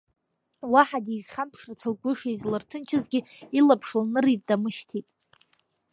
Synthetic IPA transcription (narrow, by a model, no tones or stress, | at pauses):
waħadiz̥χampʰʂrat͡sʰalɡʷʊʂezlɨrtʰɨnt͡ʃʰɪzɡʲɪ | ilapʰʂlnɨritʼd̥amɨʃtʰitʼ